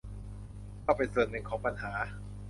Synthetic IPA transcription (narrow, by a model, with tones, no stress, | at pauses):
kʰa˥˩wpa˧jsɤː˨˩nnɯ˧˩ŋkʰɔː˩˦ŋpa˧nhaː˩˦